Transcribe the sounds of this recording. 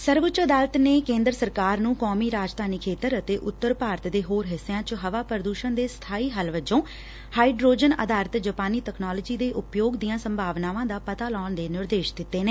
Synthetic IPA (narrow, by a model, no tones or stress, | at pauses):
səɾʋʊt͡ʃəd̪aːlət̪neːkẽːnd̪ɾəsəɾkaːɾnũːkɔːmiːɾaːd͡ʒd̪aːniːkʰeːt̪əɾət̪eːʔʊt̪ːəɾpaːɾt̪d̪eːɦoːɾɦɪsːjãːt͡ʃɦəʋaːpɾəd̪uːʃənd̪eːst̪ʰaːiːɦəlʋəd͡ʒõː | haːiːɖɾoːd͡ʒənə̰d̪aːɾət̪d͡ʒəpaːniːt̪ɛknaːləːd͡ʒiːd̪eːʔʊpjoːɡd̪ijãːsəmbʱaːʋnaːʋãːd̪aːpət̪aːlɔːɳd̪eːnɪɾd̪eːʃd̪ɪt̪ːeːneː